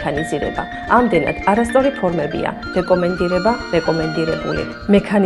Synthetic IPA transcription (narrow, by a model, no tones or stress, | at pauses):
kʰaniziɾɛ̰ba̰ | amd̪ɛna̰d̪̥aɾast̪sʼɔɾip̪ʰɔɾmɛbḭa̰ | ɾɛkʼɔmɛnd̪iɾɛbaɾɛkʼɔmɛnd̪iɾɛbṵlḭ | mɛkʰan